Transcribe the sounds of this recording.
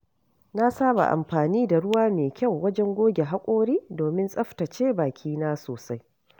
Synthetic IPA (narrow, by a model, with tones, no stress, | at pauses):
na˦saː˦ba̰˨ʔa̰˨mɸaː˨niː˦da˨ɽʊ˦waː˦meː˨kʲa˦˨wːɐ˦d͡ʒɛ˦ŋɡʷoː˦ɡʲe˨ɦa˦kʷʼoː˦ɽiː˦doː˨mɪ˦nsʼɐ˦ɸta˨t͡ʃeː˦baː˨kʲʰiː˦naː˦soː˨sa˦j